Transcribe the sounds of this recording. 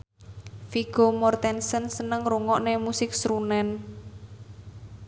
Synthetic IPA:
fiɡ̥omɔrt̪ɛnsənsənəŋruŋɔʔnemusɪk̚sɾunɛn

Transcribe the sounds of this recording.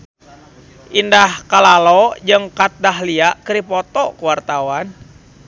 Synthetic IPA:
ʔindahkalalɔd͡ʒɨŋkat̪̚daɦliaʔkəɾipɔt̪ɔkuwart̪awan

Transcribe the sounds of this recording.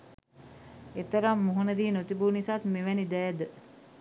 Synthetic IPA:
et̪əɾamːuɦunəd̪iːnot̪ibuːnisat̪meʋænid̪æːd̪ə

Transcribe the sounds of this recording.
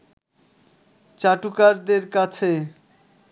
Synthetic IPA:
t͡ɕaʈukaɾd̪eɾkat͡ɕʰe

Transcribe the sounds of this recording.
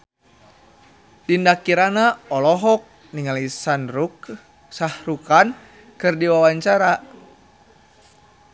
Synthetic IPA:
dindakiɾanaɔlɔɦɔk̚ | niŋalisanɾuk | sahrukan | kɨrdiwawaɲt͡ʃaɾa

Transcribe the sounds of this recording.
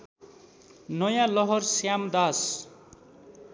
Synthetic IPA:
nʌjãlʌɦʌrsjamd̪as

